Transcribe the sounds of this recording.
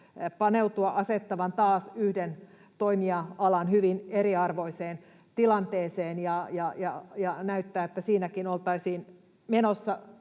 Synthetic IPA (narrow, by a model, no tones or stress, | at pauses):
pɑneut̪uɑʔɑset̪ːɑʋɑnt̪ɑːsyhden | t̪oimiɑɑlɑnhyʋineɾiɑrʋo̞iseːn | t̪ilɑnt̪eːseːnjɑjɑjɑjɑnæyt̪ːæːet̪ːæsiːnækinolt̪ɑisiːn | menosːɑ